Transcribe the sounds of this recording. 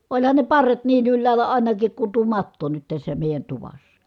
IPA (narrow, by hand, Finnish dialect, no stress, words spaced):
olʲhɑn ne pɑrːet niːn ylːæːlˑæ ɑˑinɑkik ku tuo mɑtːo nyt tæsːæ meˑi̯jæn tuʋɑsːɑ̥